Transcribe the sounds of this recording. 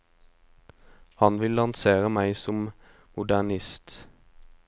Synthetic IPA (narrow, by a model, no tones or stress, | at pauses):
hɑnʋɪlːɑnseːʁəmæɪsɔm | mʊd̪ænɪst̪